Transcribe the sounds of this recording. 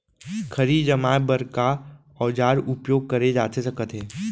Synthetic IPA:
kʰɐɾiːd͡ʒəmaːebəɾka | ɔːd͡ʒaːɾʊpjoːɡ̚kəɾed͡ʒaːt̪esɐkət̪ɦeː

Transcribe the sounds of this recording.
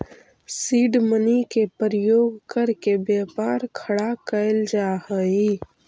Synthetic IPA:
siːɖmənikepəɾjoːɡkəɾkebjaːpaːɾkʰɐɽakəɪld͡ʒaːhəiː

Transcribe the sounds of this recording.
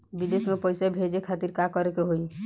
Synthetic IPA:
bid̪esmepəjsabʱed͡ʒekʰat̪iɾkakɔɾekeɦoi

